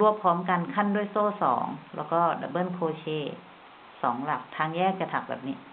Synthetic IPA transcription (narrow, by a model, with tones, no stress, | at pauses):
lu˧˩əpʰɔː˦mka˨nkʰa˧˥˨ndu˥˩ə˨jsoː˧˥˨sɔ̰ː˩˦ŋlɛ̰˧˩wkɔː˧˥˩da̰˨˧˩bɤ˧˥˨nkʰoː˧t͡ɕʰeː˧˩ | sɔː˨˩˦ŋla˨˩k̚t̪ʰaː˧˨ŋjɛː˥˩˨k̚t͡ɕa˧˩t̪ʰa˨˩k̚bɛ̰ː˨˩p̚ni˧˩